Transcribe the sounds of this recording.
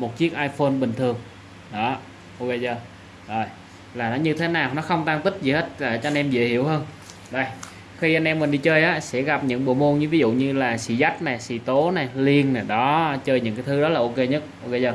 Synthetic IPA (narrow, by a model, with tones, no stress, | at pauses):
mo˨˩t̚t͡ɕi˦˥ək̚ʔaː˧jfo˧nɓï˨˩ŋ̟t̪ʰɨ˨˩əŋ | ɗɔ˨˦ | ʔo˧ke˧jzəː˧˩ | zo˨˩j | laː˨˩nɔ˨˦ɲɨ˧t̪ʰe˨˦naː˨˩wnɔ˨˦xə˧wŋ͡mt̪aː˧ŋt̪ï˦˥k̚zi˨˩he˦˥t̚laː˨˩t͡ɕɔ˧a˧nʔɛ˧mzə̰˧˨hḭ˧˩˨əwhəː˧n | ɗə˧˩j | xi˧ʔa˧nʔɛ˧mːï̟˨˩ɗi˧t͡ɕəː˧jʔaː˨˦sɛ̰˧˥ɣa˨˩p̚ɲɨ̰˧˥ŋɓṵ˧˩əmo˧nɲɨ˧vi˨˦zṵ˧˨ɲɨ˧laː˨˩sḭ˧˩˥za˦˥jk̚na˨˩jsḭ˧˩t̪o˨˦na˨˩jli˧ənːa˨˩ɗɔ˨˦t͡ɕəː˧jɲɨ̰˧˥ŋkaː˨˦jt̪ʰɨ˨˦ɗɔ˨˦laː˨˩ʔo˧ke˧ɲə˦˥t̚ʔo˧ke˧jzəː˧˩